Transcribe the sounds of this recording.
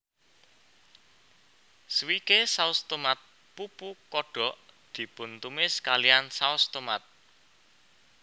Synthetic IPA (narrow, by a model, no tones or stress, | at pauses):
swikesaust̪omat̪̚ | pupukɔɖ̥ɔ̤ʔd̪̥i̤pʊnt̪umɪskaliansaust̪omat̪̚